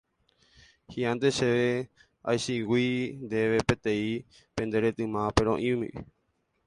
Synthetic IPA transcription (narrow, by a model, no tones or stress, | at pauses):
hiãnd̪eʃeʋe | a̰jʃiwind̪e̞ʋe̞pet̪ẽi | pẽ̞nd̪e̞ɾe̞t̪ɨ̃mãpe̞ɾ̃õʔĩmḭ̃ʔɨ̰